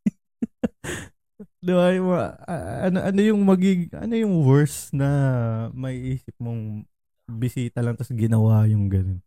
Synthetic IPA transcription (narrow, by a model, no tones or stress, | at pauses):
d̪ɪbajm | ɐnoʔɐno̞jʊŋmɐɡɪŋʔɐ̰no̞jʊŋwɛɹsnɐmɐʔiʔiːsɪp̚moŋ | bɪsiːt̪ɐlɐŋt̪ɐsɡɪnɐwajʊŋɡɐnon